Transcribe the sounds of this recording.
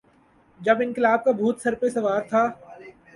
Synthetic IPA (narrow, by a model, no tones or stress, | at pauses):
d͡ʒɐbɪnkɪlaːb̚kabʱuːt̪sɐɾpesɐʋaːɾt̪ʰaː